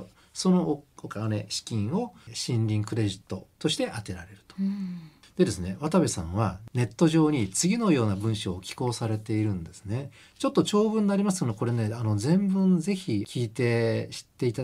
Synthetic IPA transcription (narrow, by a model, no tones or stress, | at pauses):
so̞no̞okane̞ɕi̥kʲĩɰ̃o̞ɕĩnɾʲĩŋkɯ̟ɾe̞ʑit̪ːo̞t̪o̞ɕi̥t̪e̞ʔat̪e̞ɾaɾe̞ɾɯ̟̥t̪o̥ | d̪̥e̞d̪e̞sɨne̞βat̪aβʲisã̰ɰ̃β̞ane̞t̪ːo̞ʑo̞ːɲ̟it͡sɨɡʲino̞jo̞ːnabɯ̟̃ɰ̃ɕoːkʲi̥ko̞ːsaɾe̞t̪e̞iɾɯ̟̃nd̪e̞sɨ̥ne̞ | t͡ɕo̞t̪ːo̞t͡ɕo̞ːbɯ̟̃nːaɾʲimasɨ̥ooko̞ɾe̞ne̞ano̞zẽ̞mbɯ̟̃nd͡ze̞çikʲiːt̪e̞ɕi̥t̪ːe̞it̪a